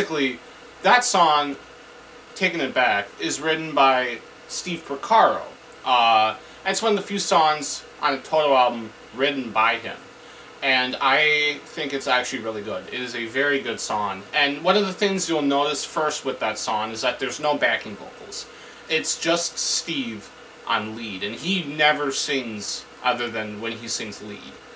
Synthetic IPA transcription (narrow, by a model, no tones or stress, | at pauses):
ɨkli | ðətsɔ̃ŋ | tʰeɪkɨ̃ŋɨt̚b̥ækɪzɹɪʔn̩baɪ | stiv̥pʰɹ̥əkʰɑɹo̰ʊ | ʔʌ | ɨ̃nɨtswʌ̃nʌvðəfjʉsɔ̃ŋzʔə̃n̩ɨtʰoʊɾoʊælˠbə̃m | ɹɪʔn̩baɪɪ̰̃m | ɨ̃naɪθɪ̃ŋkɨtsæk̚t͡ʃʉl̩ˠiɹɪlˠiɡʊɾɪ̰ɾɨzɨvɛɹiɡʊd̥sɔ̃ŋɨ̃nwʌ̃nʌvðəθɪ̃ŋzjul̩ˠnoʊɾɨsfɜ˞st̚wəðɨtsɔ̃ŋɨzðɨt̪̚ðə˞znoʊbækɪ̃ŋbo̰kl̩ˠz̥ | ɪtsd̥ʒ̥ʌststiv | ʔə̰̃nlidɨ̃ninɛvə˞sɪ̃ŋz̥ʔʌðə˞ðɨ̃nwɨ̃nisɪ̃ŋzlḭd̥